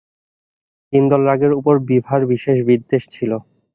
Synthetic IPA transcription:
t̪ind̪ɔlɾaɡeɾupoɾbibʱaɾbiʃeʃbiɾd̪eʃt͡ɕʰilo

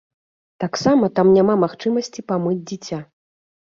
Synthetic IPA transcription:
t̪aksamɐt̪amnʲamamaxt͡ʂɨmɐsʲt͡sʲipamɨd͡zʲd͡zʲit͡sʲa

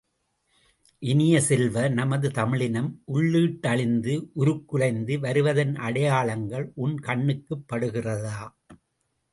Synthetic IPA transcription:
ʔɪnɪjɐsɛlʋɐnɐmɐðɯt̪ɐmɪɭɪnɐmʔʊɭːɯːʈːɐɭɪnd̪ɯʔʊɾɯkːɯɻɐɪnd̪ɯʋɐɾɯʋɐðɐnʔɐɽɐjaːɭɐŋɡɐɭʔʊnkɐɳːɯkːɯpːɐɽɯɣɪrɐðaː

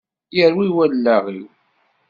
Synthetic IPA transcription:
jəɾwiwællːæʁḭw

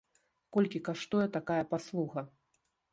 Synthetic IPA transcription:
kɔlʲkʲikaʂt̪ɔjɛt̪akajɐpaslˠuɣɐ

